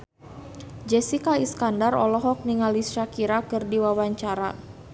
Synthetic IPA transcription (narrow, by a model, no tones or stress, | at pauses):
d͡ʒɛsikaiskandarɔ̰lɔɦɔk̚niŋalisʃakiɾakɨrdiwawaɲt͡ʃaɾa